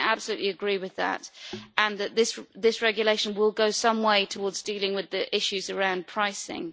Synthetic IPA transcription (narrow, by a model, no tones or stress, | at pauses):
ab̥səlʉˑʔliəɡɹiwɪðə̰tʔə̃nðɨʔ̪̚ðɪsðɪsɹɛɡjəleɪʃə̃nwɪlˠɡoʊsʌ̃mweɪtʰəwɔːdzdiːlɪ̃ŋwɪðiʔɪʃʉzəɹãʊ̃npʰɹ̥aɪsɪ̰̃ŋ